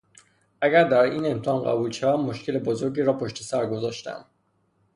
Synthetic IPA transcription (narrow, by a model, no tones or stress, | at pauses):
ʔæɡæɾd̪æɾiːne̞mt̪ʰeːnɢæ̰buːlʃævæmːoʃkʰe̞lebozoɾɟiːɾɒːpʰoʃt̪e̞sæɾɡo̞zɒːʃt̪æ̰m